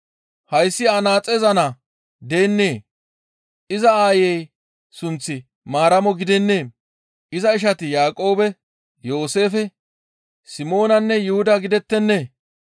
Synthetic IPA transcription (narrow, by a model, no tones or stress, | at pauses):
hɐjsːɪɐnaːt͡sʼɛzɐnɐ | d̪e̞ːnːe̞ː | ɪzɐaːjɛj | sʊnt͡sːɪ | maːɾɐmɔɡɪd̪ɛnːe̞ː | ʔɪzɐɪʃ̬ɐt̪ɪjaːkʼo̞ːbɛ | jo̞ːse̞ːfɛ | sɪmo̞ːnɐnːɛjʊhʊd̪ɐɡɪd̪ɛt̪ːɛnːe̞ː